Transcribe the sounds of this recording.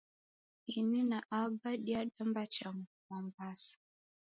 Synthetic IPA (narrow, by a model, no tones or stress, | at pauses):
ininaʔabaɗiaɗambat͡ʃam | mambasḁ